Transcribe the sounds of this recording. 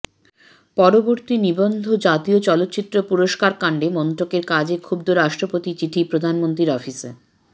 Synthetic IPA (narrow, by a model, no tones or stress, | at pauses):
pɔɾoboɾt̪inibond̪ʱod͡ʑat̪iot͡ɕɔlot̪ːt͡ɕit̪ːɾopuɾoʃkaɾkaɳɖemɔnt̪ɾokeɾkad͡ʑekʰubd̪oɾaʃʈɾopot̪it͡ɕiʈʰipɾod̪ʱanmont̪ɾiɾɔfisḛ